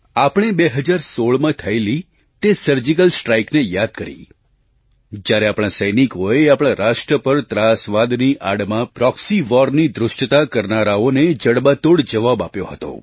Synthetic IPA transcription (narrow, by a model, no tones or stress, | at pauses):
apəɽ̃ebeɦəd͡ʒaɾsoɭmãt̪ʰəeli | t̪esəɾd͡ʒikəlsʈɾaiknejad̪̚kəɾḭ | d͡ʒjaɾeapɽ̃ãsəjnikoeapɽ̃ãɾaʃʈɾəpəɾt̪ɾasʋad̪niʔaɽmãpɾɔksiʋɔɾnid̪ɾʊʃʈt̪akəɾnaɾaoned͡ʒəɽbat̪oɽd͡ʒəʋabapjoɦət̪o̰